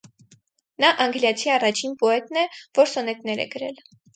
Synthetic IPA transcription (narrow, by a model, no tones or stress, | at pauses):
nɑʔɑŋɡljɑt͡sʰiɑrɑt͡ʃʰinpɔɛt̪nɛv̥ɔɾsɔnɛt̪nɛɾɛ̰ɡəɾɛ̰l